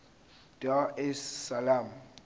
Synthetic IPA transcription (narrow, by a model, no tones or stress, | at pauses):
d̥aɛsːalam